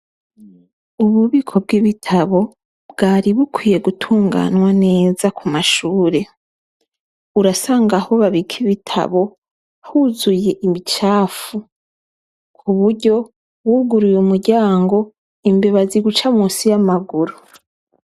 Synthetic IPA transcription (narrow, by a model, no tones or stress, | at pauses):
uβuβikʰo̞b̚ɡiβitʰaβo̞ | b̚ɡaːɾiβukwiːje̞ɡutʰuːŋɡa̰nwane̞ːzakʰumaʃuːɾe̞ | uɾasaːŋɡaho̞βaβikʰiβitʰa̰βo̞ | huzuje̞ʔimit͡ʃaːfu | kʰuβuɾɟo̞ | wuɡuɾujumuɾɟaːŋɡo̞ | imbe̞βaziɡut͡ʃamuːsijamaɡuɾu